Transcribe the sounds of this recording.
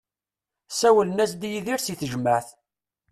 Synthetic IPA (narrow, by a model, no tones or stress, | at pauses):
sæwələnæsd̪jiðiɾsiθəʒəməʕθ